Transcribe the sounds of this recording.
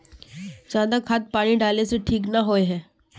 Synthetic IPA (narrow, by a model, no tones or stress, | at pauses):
d͡ʒaːd̪akʰat̪̚paːɽ̃iɖaːleseʈʰiːknaɦoːeɦɛː